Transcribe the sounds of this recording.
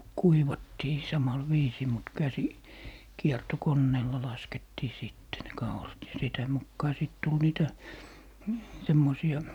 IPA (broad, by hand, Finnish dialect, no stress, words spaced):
kuiʋɑtːiː sɑmɑl ʋiːsiː mut kæsi kiertokonːeːlːɑ lɑsketːiː siˑtːe ne kɑurɑt jɑ sitæ mukːɑː sit tul niːtæ semːosiɑ